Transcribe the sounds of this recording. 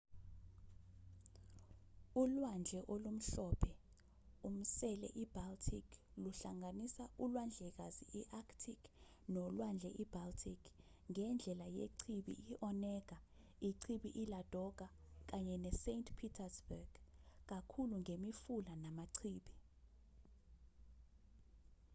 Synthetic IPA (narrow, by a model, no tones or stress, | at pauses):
ulwand͡ʒʱɛʔolum̩ɬɔːpʰɛ | um̩sɛlɛ̰ʔib̥altʰikʰluɬaŋanisaulwand͡ɮʱɛk̬aziʔiʔaktʰikʰ | nɔlwand͡ɮʱɛʔib̥altʰikʰ | ŋɛnd͡ɮʱɛlajḛǀʰiɓḭʔiʔɔnɛːk̬a | iǀʰiɓiʔilad̥ʱɔk̬ʼa | k̬aɲɛnɛsentʰpʰitʰasbɛɡ̥k̬ʼakʰuluŋemifulanamaǀʰiːɓi